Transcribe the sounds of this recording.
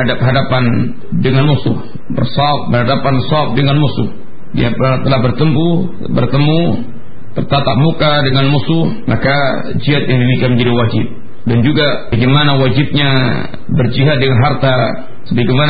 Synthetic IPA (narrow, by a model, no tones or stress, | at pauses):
adap̚ɦadapan | dəŋanmusʊh | bə̰rsɔp̚bərɦadapansɔp̚dəŋanmusʊh | dḭapt̪əlahbərt̪əmpu | bə̰rt̪əmu | b̥ərt̪at̪aʔ̚mukadəŋanmusʊhmaka | d͡ʒiɦat̪̚jaŋdifikaməɲd͡ʒadiwad͡ʒɪp̚ | dand͡ʒuɡabaɡemanawad͡ʒɪp̚ɲa | bərd͡ʒiɦat̪̚dəŋanɦart̪a | səbaɡeman